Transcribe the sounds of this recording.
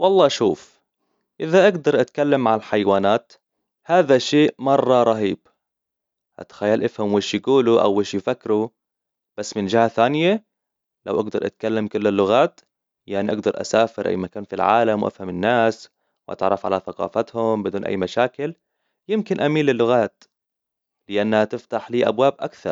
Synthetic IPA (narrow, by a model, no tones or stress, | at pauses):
wɑlˤːɑːʃuːf | ʔɪðaʔaɡd̪ɑɾˤʔat̪kalːamːaʕalħajwaːnaːt̪ | haːðaʃeːʔmɑrˤːɑɾˤɑɦiːb | ʔa̰t̪xajːalʔɪfhamweːʃjɪɡuːluʔa̰wːeːʃjfakːɾu | b̥asːmɪnd͡ʒɪhaθaːnɪja | lawʔaɡd̪ɑɾˤʔa̰t̪kalːamkʊlːalːʊɣaːt̪ | jaʕniʔɑɡd̪ɑɾˤʔa̰saːfɪɾʔa̰jmakaːnfilʕa̰ːlamwʔa̰fhamɪnːaːs | wʔa̰t̪ʕɾˤːɑfʕa̰laθaqɑ̰ːfat̪hʊmbɪd̪uːnʔa̰jːmaʃaːkɪl | jɪmkɪnʔamiːnlɪlːʊɣaːt̪ | lɪʔanːhat̪ɪft̪aħliːʔa̰bwaːbʔa̰kθɑ̰ɾˤ